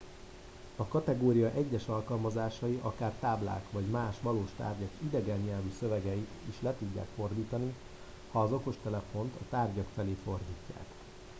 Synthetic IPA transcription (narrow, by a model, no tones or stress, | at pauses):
ɒkɒt̪ɛɡoːɾijɒʔɛɟːɛʃɒlkɒlmɒzaːʃɒjiʔɒkaːrt̪aːbla̰ːkʋɒɟmaːʃʋɒloːʃt̪a̰ːrɟɒkid̪ɛɡɛɲɲɛlvyːsø̞vɛɡɛit̪iʃlɛt̪uɟːa̰ːkfo̞rd̪iːt̪ɒni | hɒːzo̞ko̞ʃt̪ɛlɛfo̞nt̪ɒt̪aːrɟɒkfɛleːtfo̞rd̪iːcːa̰ːk